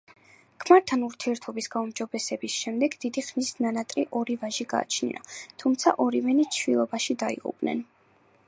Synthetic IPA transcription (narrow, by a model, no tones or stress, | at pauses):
kʰmaɾt̪ʰanuɾt̪ʰiɛɾt̪ʰɔbisɡaumd͡ʒɔbɛsɛbisʃɛmd̪ɛɡd̪id̪iχmisnanat̪ʼɾiʔɔɾivaʒiɡa̰ːt͡ʃʰnḭɾa̰t̪ʰumt̪sʰa̰ʔɔɾivɛnit͡ʃʰvilˠɔbaʃid̪aḭʁṵpʼnɛ̰n